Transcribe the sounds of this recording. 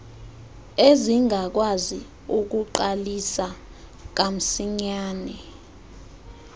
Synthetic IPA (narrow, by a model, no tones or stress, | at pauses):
eziŋak̬wazi | uk̬uǃalisa | k̬am̩siɲaːnɛ